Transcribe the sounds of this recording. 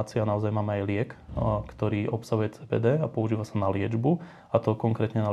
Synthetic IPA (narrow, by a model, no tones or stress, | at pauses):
t͡sɪanaɔzajmaːmɛajlɪɛkkt̪ɔɾiːʔɔpsaɦujɛt͡sɛːpɛ̰ːd̪ɛːapɔuʒiːʋasanalɪɛd͡ʒbu | at̪ɔkɔŋkɾɛːt̪ɲɛna